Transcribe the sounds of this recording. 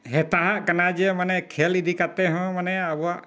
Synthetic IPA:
ɦɛt̪aɦaʔkanad͡ʒɛmanɛkʰɛlid̪ʱikat̪ɛɦɔ̃manɛabɔwaʔ

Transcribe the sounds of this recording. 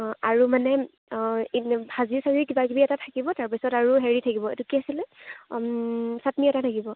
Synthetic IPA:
aɹumanɛ | hazisaɹikibakibiɛtatʰakibɔtaɹpisɔtaɹuɦeɹitʰakibɔḛtukiasilɛ | satniɛtatʰakibɔ

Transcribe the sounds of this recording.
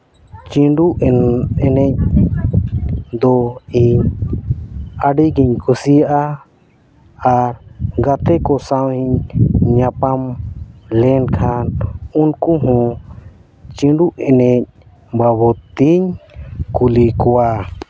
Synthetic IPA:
t͡ʃĩɖuʔɛɛnɛc̚ | d̪ɔiɲ | aɖiɡiɲkʰusijaʔa | aɾɡat̪ɛkɔsawiɲɲapamlɛnkʰanunkuɦɔ̃ | t͡ʃĩɳɖuʔɛnɛc̚ | babɔt̪iɲkulikɔwa

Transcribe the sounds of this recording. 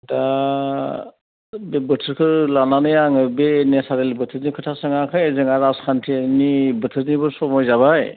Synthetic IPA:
ta | bebɯtʰɯɾkʰɯɾlananɯjaŋɯbeːnasaɾelbɯtʰɯɾnikʰɯtʰasɯŋakʰɯjzɯŋaɾaskʰantʰienibɯtʰɯɾnibɯɾsɔmɔjzaβaj

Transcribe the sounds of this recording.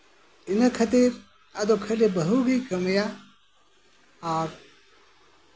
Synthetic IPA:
inɐkʰɐt̪iɾ | ɐd̪okʰɐlebɐɦuɡikɐmɐja | aːɾ

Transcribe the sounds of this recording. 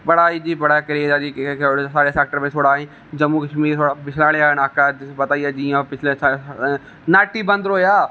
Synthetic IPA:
pɐɽaːid͡ʒiːbɐɽ̤akɐɾiaːd͡ʒisaːɽeseːk̚ʈəɾmẽt̪ʰoːɽaːɦẽ | d͡ʒɐmːukɐʃmiːɾt̪ʰoːɽapɪt͡ʃʰlaːɽeaːɦnaːkapɐt̪aːiaːd͡ʒiãpɪt͡ʃʰles | naːʈibɐ̃nd̪ɾoːjaː

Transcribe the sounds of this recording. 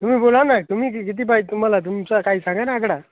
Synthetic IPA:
t̪um̤iːbolanat̪um̤iːk̬ik̬it̪̬iːp̬ait̪um̤alat̪̬umt͡sakaiːsãŋɡanaːkɽa

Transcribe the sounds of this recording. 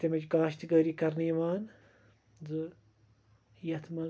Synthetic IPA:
t̪emɐd͡ʒɡaːʃt̪iɡɐːɾiːkɐɾniːʋaːn | zɨ | jɐt̪ʰmɐ

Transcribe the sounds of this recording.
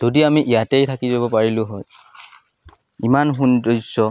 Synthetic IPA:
z̥odiamiʔijatejtʰakizabɔpaɹilʊ̃ɦɔj | imanɦundɔjsɔ

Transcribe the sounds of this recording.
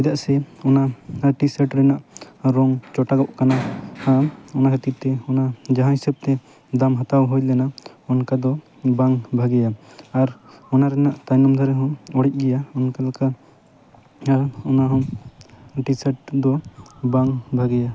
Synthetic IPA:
ɛd̪aʔsɛɔnaʈisɛʈɾɛnaʔɾɔŋt͡ʃɔʈaɡɔʔkanaaɔnakʰat̪ip̚t̪ɛɔnad͡ʒaɦãɦisɛb̚t̪ɛ | d̪amɦat̪awɦujlɛna | ɔnkad̪ɔ | baŋbʱaɡɛjaːɾɔnaɾɛnaʔt̪ajnɔmd̪ʱɔɾɛɦɔ̃ɔɽɛc̚ˀɡɛjaɔnkalaka | ɔnaɦɔ̃ | ʈisɛʈ̚d̪ɔbaŋbʱaɡɛja

